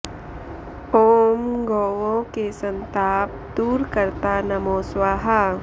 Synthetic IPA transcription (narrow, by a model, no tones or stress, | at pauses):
oːmɡoːʋõkesɐ̃nt̪aːp̚ | d̪uːɾkəɾt̪anɐmoːswaːɦa